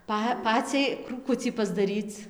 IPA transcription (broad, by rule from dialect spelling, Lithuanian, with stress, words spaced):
ˈpɐ ˈpɑːt͡sʲɛɪ kruːˈkʊt͡sʲiː pɐzdɐˈrʲiːt͡s